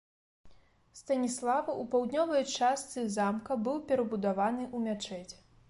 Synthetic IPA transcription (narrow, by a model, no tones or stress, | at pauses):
st̪ɐnʲislˠavɐʔupawd̪nʲɔvɐjt͡ʂast̪sɨzamkɐbɨwpʲɛɾɐbud̪avanɨʔumʲat͡ʂɛt͡sʲ